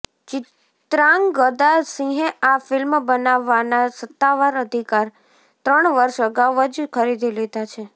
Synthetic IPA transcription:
t͡ʃɪ | t̪ɾaŋɡɡəd̪asĩɦeafɪlmbənaʋːanasət̪ːaʋaɾəd̪ʱikaɾ | t̪ɾəɳʋəɾʃəɡaʋəd͡ʒkʰəɾid̪ʱiled̪at͡ʃʰe

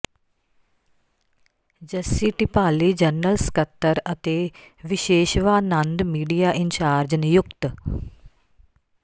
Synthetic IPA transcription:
d͡ʒəsiːʈipaːliːd͡ʒəɾnːəlskət̪ːəɾət̪eː | ʋɪʃeːʃʋaːnɐ̃nd̪miːɖijaːʔɪnt͡ʃaːɾd͡ʒənjʊkt̪

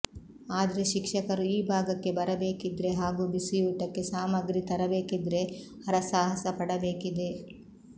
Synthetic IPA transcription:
aːd̪ɐɾe̞ʃikʂɐkɐɾuiːbʱaːɡɐkːe̞bɐɾɐbe̞ːkid̪ɾe̞ɦaːɡuːbisijuːʈɐkːe̞saːmɐɡɾit̪ɐɾɐbeːkid̪ɾe̞ | ɐɾɐsaːɦɐsɐpɐɽɐbe̞ːkid̪e

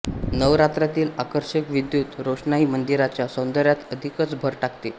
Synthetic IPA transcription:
nəʋɾat̪ɾat̪iːlakəɾɕəkʋid̪juːt̪ɾoʂɳaiːmənd̪iɾat͡ɕjasõnd̪əɾjat̪əd̪ʱikət͡sbʱəɾʈakʰt̪e

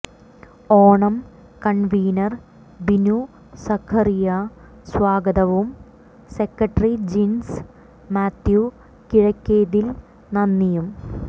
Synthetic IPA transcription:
oːɳɐm | kɐɳʋiːnɐr | binu | sɐkʰɐrijɐ | swaːɡɐðɐʋum | sekːɐʈːɐrid͡ʑins | maːt̪ju | kiɻɐkʲːeːðil | nɐnːijum

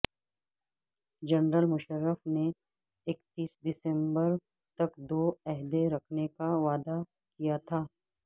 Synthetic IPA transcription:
d͡ʒɐnɾəlmʊʃəɾːəfne | ɪkt̪iːsd̪ɪsɛ̃mbəɾ | t̪ɐkd̪oːɛɦd̪eɾɐkʰnekaʋaːd̪a | kijat̪ʰaː

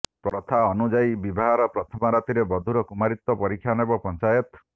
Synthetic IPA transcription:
pɾɔt̪ʰaɔnud͡ʒaibibaɦaɾɔpɾɔt̪ʰɔmɔɾat̪iɾebɔd̪ʱuɾɔkumaɾit̪ːɔpɔɾikʰːjanebɔpɔnt͡ʃajɔt̪

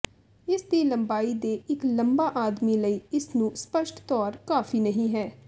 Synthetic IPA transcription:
ɪsd̪iːləmbaːiːd̪eːɪkləmbaːʔaːd̪miːləiːɪsnũːspəʃʈt̪ɔːɾkaːfiːnəɦĩːɦɛː

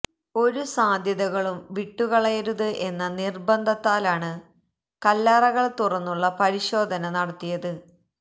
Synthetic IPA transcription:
o̞ɾusaːd̪ʱjɐðɐɣɐɭumʋiʈːuɣɐɭɐjɐɾuðɨʔe̞nːɐnirbɐnd̪ʱɐt̪ːaːlaːɳɨ | kɐlːaːrɐɣɐɭt̪urɐnːuɭːɐpɐɾiɕo̞ːd̪ʱɐnɐnɐɽɐt̪ːijɐðɨ

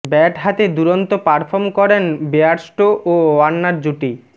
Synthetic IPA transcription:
bɛʈɦat̪ed̪uɾont̪opaɾfʰoɾmkɔɾenbeaɾsʈoʔʔoanːaɾd͡ʑuʈi

